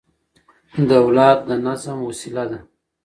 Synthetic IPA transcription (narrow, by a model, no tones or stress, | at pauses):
d̪əwlɑːd̪̚d̪ənɑzamwasɪlad̪a